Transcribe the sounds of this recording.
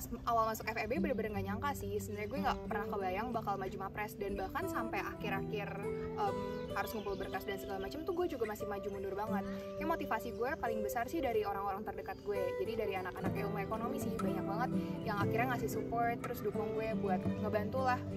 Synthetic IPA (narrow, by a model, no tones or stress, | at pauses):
awalmasʊkɛfɛbebəɾəbəɾŋɡaʔɲaŋkasɪhsənd̪ənɲaɡuɛŋɡapərnahkəbajaŋbakalmad͡ʒumapɾɛsdanbahkansampajʔakɪɾakɪrʔəmhaɾʊsməmbulbərkasdansəɡalamat͡ʃəmt̪uɡuɛd͡ʒuɡamasɪhmad͡ʒumənʊrbaŋət̪̚ | jaŋmot̪ifasiɡuɛpalɪŋbəsarsɪhdaɾioɾaŋoɾaŋt̪ərdəkat̪̚ɡuɛd͡ʒadidaɾianakanakaaumaekonomisɪhbaɲak̚baŋət̪̚jaŋakɪrɲaŋasɪhsupɔrt̪ːəɾʊsdukʊŋɡuɛbuat̪̚ŋɡabant̪ulah